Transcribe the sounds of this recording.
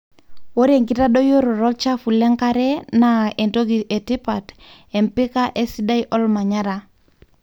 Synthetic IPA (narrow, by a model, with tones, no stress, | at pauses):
o˦ɾe˨ŋki˦ta˦ɗɔ˦jo˦ɾo˨ɾɔ˦lt͡ʃa˦fu˨lɛ˦ŋka˦ɾɛ˦na˨e˨nto˦ɡi˨ʔe˨tɪ˦pa˨t | ɛ˨mpɪ˦ka˦ʔe˦si˦da˦iʔɔ˦lma˨ɲa˦ɾa˨